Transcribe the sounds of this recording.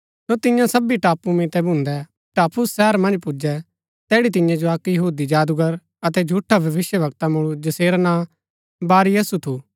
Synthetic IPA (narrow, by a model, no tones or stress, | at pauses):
sot̪ɪjãsɐbiʈaːpumĩːt̪ɛbʱũnd̪ɛ | ʈaːpʰʊsːɛːɾmɐ̃nd͡ʒpud͡ʒɛ | t̪ɛːɽit̪ɪ̃jãd͡ʒoɐkjɐɦuːd̪id͡ʒaːd̪uɡəɾ | ɐt̪ɛd͡ʒʱuːʈʰːabʱɐʋɪʃjəʋɐk̚t̪amʊɭ̃ud͡ʒɐseːɾanãː | baːɾijɐsut̪ʰuː